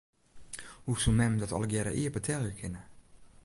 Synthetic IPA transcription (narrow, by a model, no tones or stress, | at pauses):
husumɛmdɔtɔ̰lɡɛɾə̰ʔiːəpətʰɛlˠjəkʰɪnə